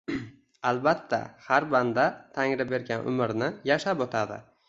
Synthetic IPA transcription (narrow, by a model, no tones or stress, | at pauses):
alˠbat̪ʰːa̰haɾband̪at̪ʰaŋɾɪbe̞ɾɡʲanʔʊ̰mɪɾnɪjaʃapɒt̪ʰad̪ɪ̰